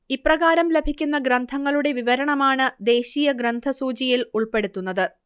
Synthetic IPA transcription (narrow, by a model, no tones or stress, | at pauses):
iprɐɣaːɾɐmle̞bʱikʲːunːɐɡɾɐnd̪ʱɐŋːɐɭuɽe̞ʋiʋɐɾɐɳɐmaːɳɨd̪e̞ːɕiːjɐɡɾɐnd̪ʱɐsuːt͡ɕijiluɭpe̞ɽut̪ːunːɐðɨ